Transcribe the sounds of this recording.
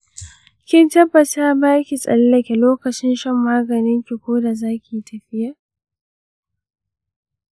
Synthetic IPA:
kʲɪ˦ntɐ˦bːɐ˨ta˦baː˦kʲi˨sʼɐ̰˨llɐ˨kʲe˨loː˦kɐ˨t͡ʃɪ˦nʃɐ˦mːaː˦ɡɐ˨nɪ˦ŋkʲi˨kʷoː˦da˨zaː˦kʲi˨tʰɐ˨ɸɪ˦ja˨ʔ

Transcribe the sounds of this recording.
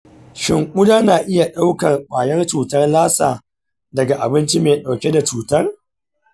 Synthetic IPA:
ʃɪ˨ŋʔʷʊ˦daː˦naː˨ʔɪ˦ja˨ɗa˦wkɐ˨rɓaː˨jɐ˦rt͡ʃuː˨tɐ˦rlaː˦sa̰ː˨ | dɐ˨ɡa˨ʔa̰˨bɪ˦nt͡ʃi˦meː˨ɗa˨wkʲe˦da˨t͡ʃuː˨tɐ˦r

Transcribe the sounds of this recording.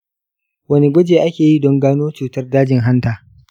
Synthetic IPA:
wɐ˦ne˦ɡʷɐ˦d͡ʒeː˨ʔa˦kʲeː˨ji˦˨dɔ˦ŋɡaː˦noː˦t͡ʃuː˨tɐ˦rdaː˦d͡ʒɪ˨ŋɦa˦ntaː˨

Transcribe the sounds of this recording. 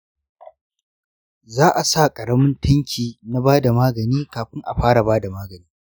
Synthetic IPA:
zaː˦ʔa˨sa˦˨kʼɐ˨ɽɐ˦mʊ˦ntʰɐ˦ŋkʲʰiː˨na˦baː˦da˨maː˦ɡɐ˨niː˦kaː˨ɸɪ˦ŋʔa˨ɸaː˦ɽa˨baː˦da˨maː˦ɡɐ˨niː˦

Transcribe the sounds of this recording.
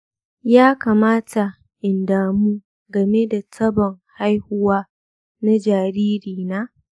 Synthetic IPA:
jaː˦kaː˨maː˦ta˨ | ʔɪ˨ndaː˨muː˦ | ɡɐ˨me˦da˨tʰɐ˦bɔ˨ŋha˦jhʊ˦waː˦ | na˦d͡ʒaː˨ɾiː˦ɾiː˨naː˦

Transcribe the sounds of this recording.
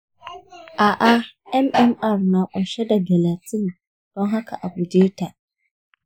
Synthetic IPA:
ʔa˨ʔa˦ɛ˦mʔɛ˦ma˨ɾnã˨ʔɔ˨ɕɛ˦da˨bɛ˨la˨tʰĩ˦n | d̥ɔ̃˦ŋ˦ɦa˦kʰa˨ʔa˨ɡu˨deː˦tʰa˨

